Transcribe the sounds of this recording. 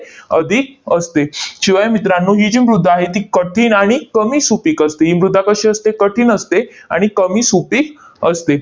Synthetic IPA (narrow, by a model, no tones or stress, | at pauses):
əd̪ʱik̚əst̪eɕiʋajmit̪ɾanːuːɦid͡ʑiːmɾud̪ʱːaɦet̪iːkəʈʰiːnaɽ̃ikəmiːsupiːkəst̪eɦiːmɾud̪ʱːakəɕeəst̪ekəʈʰiːnəst̪ea̰ɽ̃ikəmiːsupiːk | əst̪e